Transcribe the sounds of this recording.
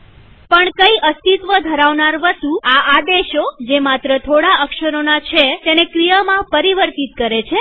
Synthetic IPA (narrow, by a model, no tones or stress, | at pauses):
pəɳkəiʔəst̪it̪ʋəd̪ʱəɾaʋnaɾʋəst̪uaad̪eʃod͡ʒemat̪ɾət̪ʰoɽaəkʃəɾonat͡ʃʰet̪enekɾijəmãpəɾiʋəɾt̪it̪̚kəɾet͡ʃʰe